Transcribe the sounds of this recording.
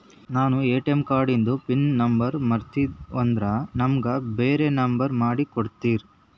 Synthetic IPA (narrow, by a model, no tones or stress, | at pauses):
naːnueːʈemkaːɾɖind̪upinnɐmbɐɾmɐɾt̪iond̪ɾɐnɐmɡɐbeːɾenɐmbɐɾmaːɽikoɽt̪iːɾ